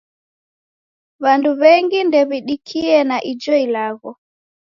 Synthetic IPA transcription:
βanduβɛŋɡindɛβiɗikʰiɛnaʔid͡ʒɔilaɣɔ

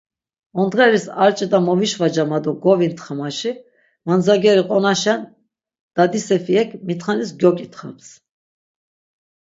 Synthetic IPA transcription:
ɔnd̪ʁɛɾisaɾt͡ʃʼɛt̪ʼamɔviʃvad͡ʒamad̪ɔɡɔvint̪χamaʃi | mand͡zaɡɛɾiqʼɔnaʃan | d̪̥ad̪isɛfiɛkʰmit̪χanisɡjɔkʼit̪χaps

